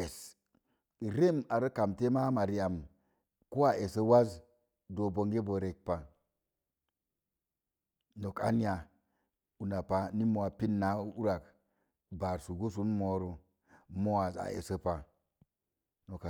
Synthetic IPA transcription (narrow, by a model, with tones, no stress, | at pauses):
e˨s | ɾe˦ma˨ɾə˦ka˨mte˦ma˦ma˨ɾi˦a˨m | ko˦a˨ʔe˨sə˦wa˦z | do˨bo˨ŋɡe˦bo˨ɾe˨k̚pa˨ | no˨ka̰˨ni˦a˨ | u˨na˨pa˨ni˦mo˨a˨pi˦nːa˨˦u˦ɾa˨k | ba˨ɾsu˨ɡo˦s̬u˦nmo˨ɾo˦ | mo˦wa˨za̰˨ḛ˨sə˦pa˨ | no˨ka˨